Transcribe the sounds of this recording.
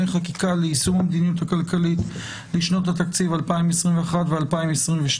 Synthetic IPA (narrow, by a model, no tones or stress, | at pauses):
ejχakikaleisumhamd̪inijuthakalkalit | liʃno̞that̪akt͡sivalpaimesʁimveaχatvealpaimesʁimveʃ